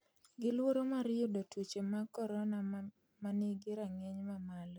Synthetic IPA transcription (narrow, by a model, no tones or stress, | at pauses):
ɡɪlwoɾomaɾɪjʊdotwot͡ʃemakɔɾɔna | maniɡɪɾaŋeɲmamalo